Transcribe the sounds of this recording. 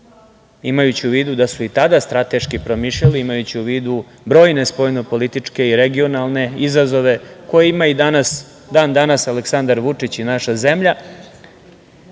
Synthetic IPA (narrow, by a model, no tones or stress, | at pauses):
imajut͡ɕiuʋiːd̪ud̪asuit̪ad̪ast̪ɾat̪e̞ʃkipɾomiʃʎaliimajut͡ɕiuʋiːd̪u | bɾo̞ːjne̞spojno̞po̞lit̪it͡ʂke̞iɾe̞ɡio̞nalˠne̞izazo̞ʋe̞ko̞jeimaid̪anas | d̪aːnd̪anasaleksand̪aɾʋut͡ʂit͡ɕinaʃaze̞mʎa